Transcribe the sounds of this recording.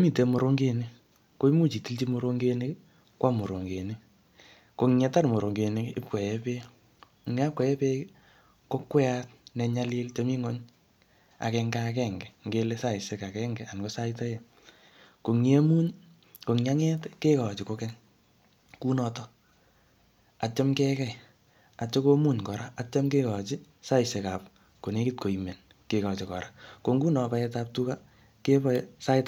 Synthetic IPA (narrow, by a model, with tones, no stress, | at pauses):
o˦mi˦˨te˨mo˨ɾo˦ŋɡe˦ni˦ | ko˦i˦mu˦t͡ʃi˨ti˦lt͡ʃi˦mo˦ɾo˦ŋɡe˦nɪ˦k | kwa˦mo˨ɾo˨ŋɡe˨ni˦ | ko˨ŋɲɛ˦ta˦ɾmo˨ɾo˨ŋɡe˨nɪ˦kɪ˦p̚kwɛ˨ɛ˦pe˦˨ | ŋ˦a˦p̚kwɛ˨jɛ˦pe˦ | ko˦kwɛ˦a˦t̚nɛ˧ɲa˦le˦lto˦mi˦ŋo˦ɲ | a̰˨kɛŋɡa˦kɛ˦ŋɡɛ˨ŋɡe˦le˦sa˦˨i˨se˦ka˨kɛ˦ŋɡɛ˨ʔa˨nko˦sa˦itɔ˦je˨ | ko˨ŋe˦mu˦ɲ | ko˨ŋja˦ŋɛ˦tke˦kɔ˨t͡ʃiko˧kɛ˦ŋ | ku˦nɔ˨tɔ˦ | a˨t͡ʃa˦mkɛ˦kɛ˨j | a˨t͡ʃo˦ko˦mu˦˨ɲkɔ˨ɾa˦a˨t͡ʃa˦mke˦kɔ˨t͡ʃɪ˦ | sa˦ɪseka˨p | ko˨ne˦ki˦t̚ko˨ime˨n | ke˨kɔt͡ʃi˨kɔ̰˨ɾako˧ŋɡu˦nɔ˨pa˧ɛ˧ta˦p̚tuka˦ | ke˦bɔsa˦ɪt